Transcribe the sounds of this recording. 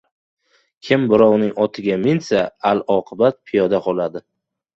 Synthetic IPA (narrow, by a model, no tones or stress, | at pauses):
kʲʰɪmbɪɾɒwnɪŋɒt̪ʰɪɡʲamɪnsaalɒqʰɨbat̪̚pʰɪjɒd̪aqʰɒlˠad̪ɪ